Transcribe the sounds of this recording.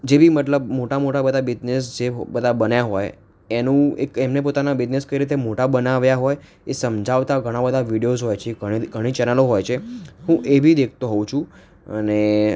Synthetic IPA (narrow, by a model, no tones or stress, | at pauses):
d͡ʒebʱimət̪ləbmoʈamoʈabəd̪ʱabid͡ʒnes̬d͡ʒebəd̪ʱabənjaɦɔj | enũekɛmnep̬ot̪anabid͡ʒneskəjiɾit̪̬emoʈabənaʋjaɦɔj | esəmd͡ʒaʋt̪aɡʱəɽ̃abəd̪ʱaʋiɽijozɦojt͡ʃʰeiɡʱəɽ̃it͡ʃɛnəloɦojt͡ʃʰeɦũʔebʱid̪ekʰt̪oɦɔũt͡ʃʰũ | ə̰ne